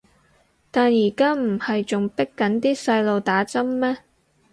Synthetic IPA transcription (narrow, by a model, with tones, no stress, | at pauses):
t̪aː˨njiː˨˩kaː˥m̩˨˩hɐ˨jt͡sʊ˨ŋpɪ˥kːɐ˨˥nt̪iː˥sɐ˧jlo˨˧wt̪aː˨˥t͡sɐ˥mːɛː˥